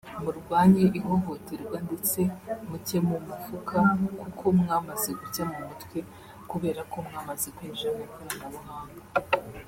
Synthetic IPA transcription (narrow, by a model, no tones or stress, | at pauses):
muɾɡwaːɲiʔiɦo̞ɦo̞teɾɡwande̞t͡se̞mucemumuvukʰakukʰo̞mŋaːmazeɡucamumutkwe̞ | kuβe̞ːɾako̞mŋaːmazekwiːnʒamekaɾamuβuɦaːŋɡa